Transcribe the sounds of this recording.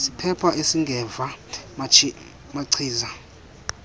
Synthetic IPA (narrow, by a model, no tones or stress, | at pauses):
sipʰɛpʰaʔesiŋɡʱɛvam | maǀʰiːza